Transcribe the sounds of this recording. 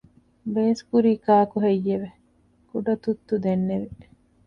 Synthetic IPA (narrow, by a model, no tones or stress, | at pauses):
beːskuɾiːkaːkuɦejːeʋe | kuɖɐt̪ut̪ːud̪enːeʋi